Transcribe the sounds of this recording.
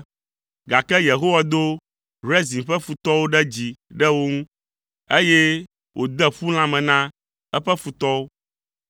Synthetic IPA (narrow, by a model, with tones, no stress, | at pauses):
ɡa˨kɛ˦je˨ɦo˦wa˨d̪o˦ | ɾɛ˦zĩ˨ɸɛ˦fu˨t̪ɔ˦wo˦ɖɛ˦d͡ʑi˨ɖɛ˦wo˦ŋũ˦ | e˦jɛ˦ | wʔo˨d̪ɛ˦ɸu˦l̃ã˦mɛ̃˨nã˦ | ɛ˦ɸɛ˦fu˨t̪ɔ˦wo˦